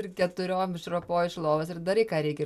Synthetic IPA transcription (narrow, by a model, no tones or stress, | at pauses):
ɾkʲɛt̪ʊɾʲoːmɪʃɾoːpoːjɪʃlˠoːʋɐsɪɾd̪ɐɾɐɪkɑːɾʲɛɪkʲɛ